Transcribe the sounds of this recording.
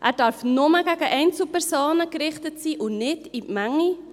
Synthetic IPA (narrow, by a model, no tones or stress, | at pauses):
ʔæɾdɑrfnoməɡæɡəʔɛɪnt͡s̩pɛɾsoːnəɡɾɪχtətsiːʔʊnɪtimæŋi